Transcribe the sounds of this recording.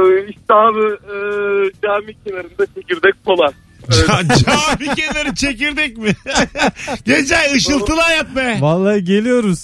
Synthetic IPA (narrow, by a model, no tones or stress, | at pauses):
iʃt̪ɛabi | d͡ʒaːmicʰʲelʲeɾind̪ɛt͡ʃʰeciɾd̪ɛc̚ʲpolˠan | d͡ʒd͡ʒaːmicelʲeɾit͡ʃʰec̬iɾd̪ɛc̚mɪ | ɟed͡ʒɛjɯʃɯlˠt̪ʰɯlˠajat̪̚majvalˠːaɾɯɟe̞lʲijo̞ɾuz